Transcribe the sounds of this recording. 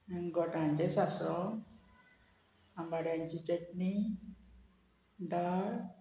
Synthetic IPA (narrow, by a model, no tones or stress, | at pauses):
ɡɔʈãɲt͡ɕesasɔ | ambaɽjãɲt͡ɕit͡ɕəʈni | d̪aɽ